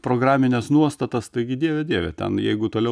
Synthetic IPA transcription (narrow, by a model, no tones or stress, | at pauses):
pɾoːɡɾɑːmʲɪnʲɛsnuɔst̪ɐt̪ɐst̪ɐɪɡʲɪd̪ʲiɛʋʲɛd̪ʲiɛʋʲɛ̰t̪ʲɛ̰njɛɪɡʊt̪oːlʲɛʊ